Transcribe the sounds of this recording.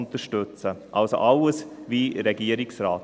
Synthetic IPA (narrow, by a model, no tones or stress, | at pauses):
nt̪əʃtøt͡səʔalso̰ʔaʊəsviːɾɛɡiːəɾɪksɾaːt